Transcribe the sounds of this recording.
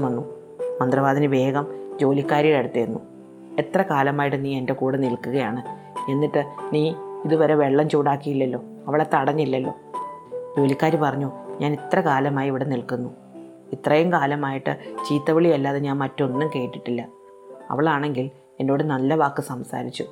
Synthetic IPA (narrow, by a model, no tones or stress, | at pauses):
mɐnːu | mɐnd̪rɐʋaːðinɨʋe̞ːɡɐmd͡ʑo̞ːlikːaːɾiɣɐɭeɽut̪ːeɾunːu | e̞t̪rɐkaːlɐmaːjiʈ̬ːɨniːe̞nde̞kuːɽɐnilkuɣɐjaːɳɨ | e̞nːiʈːɨniːiðuʋɐɾe̞ʋe̞ɭːɐmt͡ɕuːɽaːkːijilːɐlːo̞ː | ɐʋiɭet̪ːɐɽɐɲːilːɐlːo̞̰ːd͡ʑo̞ːlikʲːaːɾipɐrɐɲːuɲaːnit̪rɐkaːlɐmaːjiiʋiɽe̞nilkunːu | it̪rɐjumkaːlɐmaːjiʈːɨt͡ɕiːt̪ːɐʋiɭiɐlːaːðeɲaːnmɐtːunːɐmke̞ːʈːi̥ʈːilːɐ | ɐ̰ʋiɭaːɳe̞ŋɡil | e̞ndo̞ːɽɨnɐlːɐʋaːkːɨsɐmsa̰ːɾit͡ɕːu